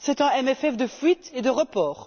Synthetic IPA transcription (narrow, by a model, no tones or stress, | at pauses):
sɛt̪ɛ̃ɛmɛfɛfd̪əfɥit̪ed̪əʁəpɔːʁ